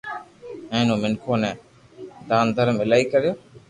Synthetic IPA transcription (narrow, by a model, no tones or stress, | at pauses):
ɛ̃ːnõːmɪnkʰoːnɛ̃ː | d̪aːnd̪ʱəɾəmɪlaːiːkəɾjoː